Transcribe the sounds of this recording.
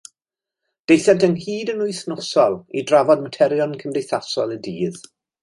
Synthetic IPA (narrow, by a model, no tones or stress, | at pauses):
d̥ejθɛntənhiːdənʊjθnɔsɔlˠidravɔdmətʰɛɾjɔnkʰəmdejθasɔ̰lˠədiːð